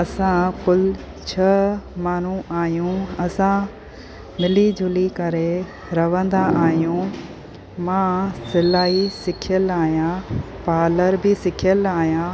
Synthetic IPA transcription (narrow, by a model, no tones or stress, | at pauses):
ɐsãkʊl | t͡ɕʰɐmaːn̤uaːɦjũɐsã | mɪlid͡ʑʱʊlikɐɾe | ɾɐʋə̃nd̪aʔaːɦjũ | mãːsɪlaːisɪkʰjəlaːɦijã | paːləɾbɪsɪkʰjəlaːɦijãː